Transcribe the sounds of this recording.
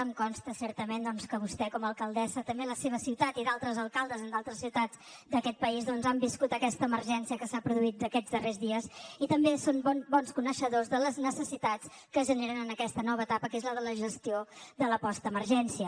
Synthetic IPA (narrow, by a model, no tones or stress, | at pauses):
əmkɔnst̪əsɛɾt̪əmend̪ɔnskəβust̪ɛkɔməlˠkəlˠd̪ɛsət̪əmbeləseβ̞əsiwt̪at̪iðalˠt̪ɾəzəlˠkalˠd̪əzənd̪alˠt̪ɾəsːiwt̪ad͡zd̪əkɛt̪̚pəizðɔnzambiskut̪əkɛst̪əːməɾʒɛnsiəkəsapɾuðuit̪̚d̪əkɛzðərezðiəzit̪əmbesonbɔnbɔnskunəʃəðozðələznəsəsit̪at͡s | kəʒəneɾənənəkɛst̪ənɔβəːt̪apəkezləðələʒəst̪iod̪ələpɔst̪əməɾʒɛnsiə